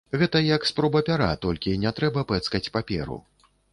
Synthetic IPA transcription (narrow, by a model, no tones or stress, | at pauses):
ɣɛt̪ɐjɐkspɾɔbɐpʲaɾa̰t̪ɔlʲkʲinʲɛt̪ɾɛbɐpɛt̪skɐt͡sʲpapʲɛ̰ɾṵ